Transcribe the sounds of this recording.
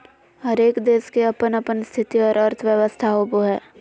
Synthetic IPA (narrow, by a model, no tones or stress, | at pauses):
ɦɐɾeːkd̪eːskeɐpənɐpənst̪ʰɪt̪iɔːɾɐɾt̪ʰʋjəʋəst̪ʰaɦoːboɦɛː